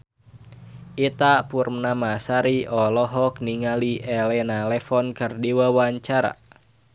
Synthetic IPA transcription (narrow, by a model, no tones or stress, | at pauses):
ʔit̪apurmnamasaɾiɔlɔɦɔk̚niŋaliʔɛlɛnalɛfɔnkɨrdiwawaɲt͡ʃaɾa̰